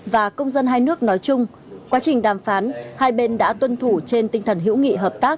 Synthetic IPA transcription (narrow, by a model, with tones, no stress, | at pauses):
vaː˨˩kə˧wŋ͡mzə˧nɦaː˧jnɨ˦˥ək̚nɔ˨˦jt͡ɕʊ˧ŋ͡m | kwaː˨˦t͡ɕï˨˩ŋ̟ɗaː˨˩mfaː˨˦nhaː˧jɓe˧nɗa̰ː˧˥t̪wə˧nt̪ʰu˧˩t͡ɕe˧nt̪ï˧ŋ̟t̪ʰə˨˩nɦḭ˧˥wŋḭ˧˨ɦəː˨˩p̚t̪aː˦˥k̚